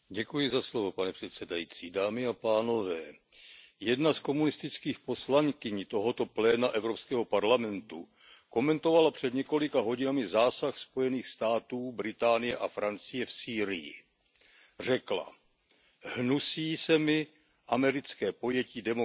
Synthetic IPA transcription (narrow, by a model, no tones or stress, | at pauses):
ɟɛkujɪzaslovo̞panɛpr̝̥ɛt̪sɛdajiːt͡siːdaːmɪapaːno̞vɛː | jɛdnasko̞munɪst̪ɪt͡skiːxpo̞slaŋkɪɲt̪o̞ɦo̞t̪o̞plɛːnaʔɛvɾo̞pskɛːɦo̞paɾlamɛnt̪u | ko̞mɛnt̪o̞valapr̝̥ɛd̪ɲɛko̞lɪkaɦo̞ɟɪnamɪzaːsaxspo̞jɛniːxst̪aːt̪uːbɾɪt̪aːnɪjɛʔafɾant͡sɪjɛfsiːɾɪjɪ̰ | r̝ɛkla̰ | hnusiːsɛmɪ | ʔamɛɾɪt͡skɛːpo̞jɛciːdɛmo